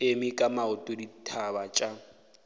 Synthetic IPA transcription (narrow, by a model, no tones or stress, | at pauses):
emikʼamaʊtʼoditʰabat͡ʃʼa